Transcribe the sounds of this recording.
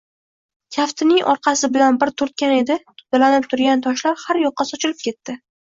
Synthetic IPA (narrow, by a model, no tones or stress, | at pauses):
kʲʰaft̪ʰɪnɪŋʔɒɾqʰɑsɪbɪlanbɪɾt̪ʰʊɾt̪kʲane̞d̪ɪt̪ʰʊ̥d̪alanɪp̚t̪ʰʊɾɡʲant̪ʰɒʃlaɾhaɾjɒqːɑsɒt͡ʃʰɪlɪp̚kʲe̞t̪ːɪ